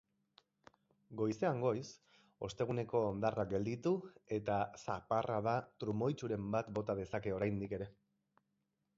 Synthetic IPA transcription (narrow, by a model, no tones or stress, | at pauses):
ɡo̞jse̞aŋɡo̞js | o̞st̪e̞ɣune̞ko̞ːnd̪arak̚ɡe̞ld̪it̪ue̞t̪asaparaðat̪ɾumo̞jt͡ʃuɾe̞mbat̪bo̞t̪að̞e̞sake̞o̞ɾajnd̪ike̞ɾe̞